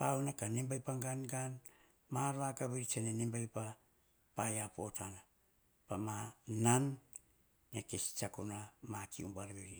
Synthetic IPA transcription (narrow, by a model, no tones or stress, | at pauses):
pawnakanimbajpaŋɡanɡan | maɾβakaβeɾit͡ʃenenimbajpa | pajapo̞tana | pamananː | ekesi̥t͡ʃakunamakʰiumbaɾβeɾi